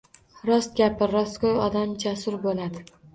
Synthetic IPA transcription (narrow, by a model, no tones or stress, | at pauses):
ɾɒst̪̚ɡʲapʰɪɾɒst̪kʰojɒd̪amd͡ʒasʊɾbolad̪ɪ